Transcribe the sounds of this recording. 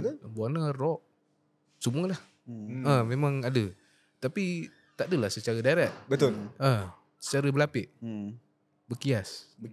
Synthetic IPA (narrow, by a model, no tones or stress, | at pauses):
t̪buanarɔʔ | səmualah | əmemãŋadə | t̪api | t̪adəlahsət͡ʃaɾədaɾaʔ̚bət̪ʊlə | sə̥t͡ʃaɾəbəlapɪʔ | bəkias